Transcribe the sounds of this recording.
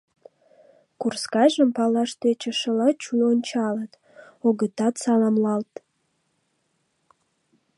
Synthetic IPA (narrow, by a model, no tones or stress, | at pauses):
kurskɑʒəmpɑlɑʃt̪et͡ɕəʃəlɑt͡ɕuonʲt͡ɕɑlət̪ | oɣət̪ɑt̪sɑlɑmlɑlt̪